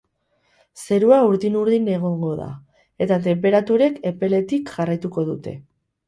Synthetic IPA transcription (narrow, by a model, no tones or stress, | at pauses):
se̞ɾuauɾðinuɾðine̞ɣ̞o̞ŋɡo̞ða̰ | e̞t̪at̪̬e̞mp̬e̞ɾat̪uɾe̞ke̞pe̞le̞t̪ikʝarajt̪uko̞ðut̪e̞